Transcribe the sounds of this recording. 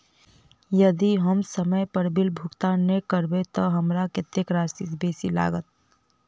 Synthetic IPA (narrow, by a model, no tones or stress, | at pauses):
jəd̪iɦəmsəməjpəɾbɪlbʱʊkt̪annːekəɾbet̪ɔɦɐmɾakɪt̪ːekɾaːsisbeːsila̰ːɡət̪̚